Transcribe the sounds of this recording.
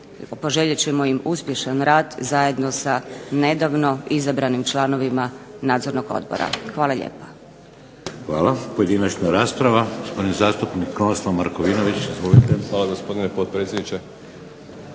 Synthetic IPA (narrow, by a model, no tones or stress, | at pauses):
po̞ʒe̞ʎet͡ɕemo̞jimuspje̞ʃanɾaːd̪zaje̞d̪no̞sane̞d̪aʋno̞izabɾanimt͡ʃlˠaːno̞ʋimanaːd̪zoɾnoɡo̞̰d̪bo̰ɾa̰xʋaːlaʎḛːpḁ | xʋa̰ːlapoje̞d̪inat͡ʃnaɾaːspɾaʋaɡospo̞d̪inzaːst̪upnikːɾonslˠamaɾkoʋinoʋit͡ɕizʋolit̪eaːlaɡospo̞d̪inepot̪̚pɾet̪sjed̪nit͡ʃe